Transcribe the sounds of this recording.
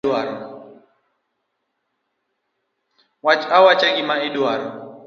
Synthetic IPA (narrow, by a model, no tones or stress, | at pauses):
aɾɔ | wat͡ʃawat͡ʃaɡɪmaɪdwaɾɔ